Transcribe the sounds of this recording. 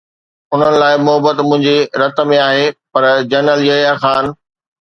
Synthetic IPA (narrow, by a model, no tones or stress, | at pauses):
ʊn̤ənɪ̆laːɪmʊɦəbət̪mʊ̃ɦɪ̃ɲd͡ʑiɾɐt̪̆mẽaːɦepɐɾd͡ʑɐːnəljɐjaxaːn